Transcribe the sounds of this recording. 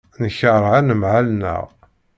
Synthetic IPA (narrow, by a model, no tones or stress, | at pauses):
nəçəɾˤʕanəmʕalnə̰ʁ